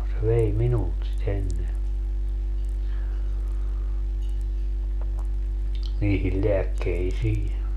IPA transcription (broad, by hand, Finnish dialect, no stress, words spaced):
se ʋei minult sit enːe niːhil leækːeisiː